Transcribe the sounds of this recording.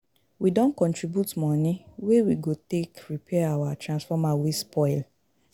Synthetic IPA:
widɔ̃nkɔ̃ntɹibjutmɔ̃nĩwewiɡotekɹipʰɛawatʰɹãnsfɔmawespʰɔɪl

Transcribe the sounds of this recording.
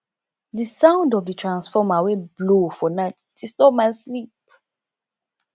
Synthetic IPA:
disãʊ̃ndɔvdətʰɹãnsfɔmaweblofɔnaɪtdistɔmaɪslip̚

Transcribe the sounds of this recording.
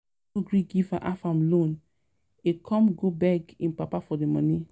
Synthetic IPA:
oɡɹiɡivaʔafãmlõn | ekʰɔ̃mɡobɛɡĩnpapafɔdemɔ̃nĩ

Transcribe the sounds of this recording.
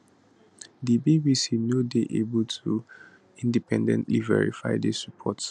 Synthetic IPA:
dibibisinodeʔebəltʰu | ĩndipɛ̃ndɛ̰̃ntlḭvɛ̰ɹḭfaɪdɛsupʰɔt

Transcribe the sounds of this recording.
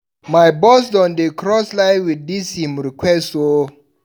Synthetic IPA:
majbɔs̬dɔ̃ndekɾɔslaɪwid̚dishĩmɹikwɛsto

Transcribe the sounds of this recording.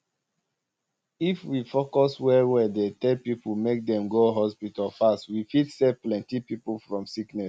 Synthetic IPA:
ifwifokɔswɛwɛdetɛpipumek̚dɛ̃mɡoɦɔspitalfastwifitsɛfplɛ̃ntipipufɹɔ̃msiknɛs

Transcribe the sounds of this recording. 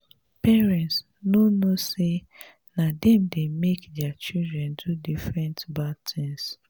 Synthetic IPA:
pɛɹɛ̃nts | nonose | nadɛmdemekdɛat͡ʃildɹɛ̃ndudifɹɛ̃ntbadtʰĩns

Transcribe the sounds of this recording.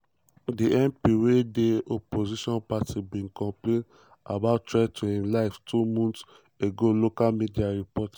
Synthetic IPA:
diɛ̃mpiɾedeopoziʃɔ̃npatibĩnkɔ̃mplẽn | a̰baʊttːɹatʰuĩmlaɪftʰumɔ̃nt | eɡolokalmidiaɹipɔt

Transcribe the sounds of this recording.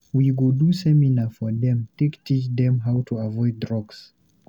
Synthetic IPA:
wiɡodusɛminafɔðɛ̃mtektʰit͡ʃðɛ̃mɦawtʰuavɔɪd̚dɹɔɡs

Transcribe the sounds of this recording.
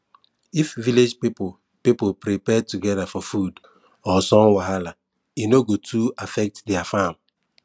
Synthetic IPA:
ifviled͡ʒpipo | pipolpɾipɛtuɡɛdafɔfud | ɔsɔ̃ŋwaɦala | inoɡotʰuafɛk̚tdɛafam

